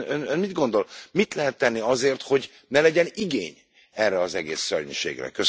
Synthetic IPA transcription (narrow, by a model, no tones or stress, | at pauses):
ønønmid̪ɡo̞nd̪o̞lmit̪lɛɦɛt̪ːɛnːiɒzeːrt̪ho̞ɟ | nɛlɛɟɛniɡeːɲ | ɛrːɛɒzɛɡḛːsːørɲiʃḛːɡrɛ̰køs